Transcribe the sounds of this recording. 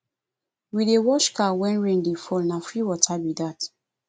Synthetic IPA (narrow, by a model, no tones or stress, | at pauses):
widewɔʃkawɛ̃nɹẽndefɔlnafɾiwɔtʰabidat